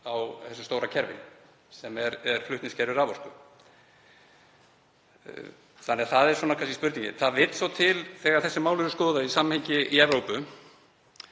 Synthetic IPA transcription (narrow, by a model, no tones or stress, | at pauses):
awθɛsːʏ̥st̪owɾacʰɛɾvɪ̰ | sɛmɛɾɛɾ̥flʏht̪nɪscʰɛɾvɪɾavɔɾskʏ | θanɛaθaðɛɾ̥swɔnakʰvas̬cɪspʏɾt̪niɲcɪ̰θaðvɪt̪svawt̪ʰɪlθɛːɣaɾθɛsːɪmaːwlʏɾʏskɔːðaisamːamhɛɲcɪiɛvɾowpʏ